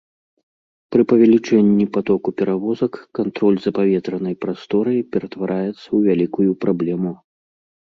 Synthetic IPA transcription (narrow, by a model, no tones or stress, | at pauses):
pɾɨpɐvʲalʲit͡ʂɛnʲːipat̪ɔkupʲɛɾavɔzɐkːant̪ɾɔlʲzɐpavʲɛt̪ɾɐnɐjpɾast̪ɔɾɐjpʲɛɾɐt̪vaɾʔajɛt̪sːɐwvʲalʲikujupɾablʲɛmu